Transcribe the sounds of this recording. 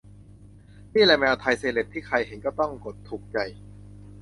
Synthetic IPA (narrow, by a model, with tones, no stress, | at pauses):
miː˥˩lɛː˧mɛː˧wt̪ʰa˧jseː˧le˨˩t̪ʰːiː˥˩kʰa˧jɦe˩˦ŋkɔː˥˩t̪ɔ˥˩ŋko˨˩t̪ʰːuː˨˩k̚t͡ɕa˨˩j